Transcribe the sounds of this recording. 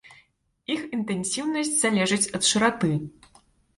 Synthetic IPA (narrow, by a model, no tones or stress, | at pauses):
ixint̪ɛnʲsʲiwnɐsʲt͡sʲz̥alʲɛʐɨt͡sʲɐt̪ʂɨɾat̪ɨ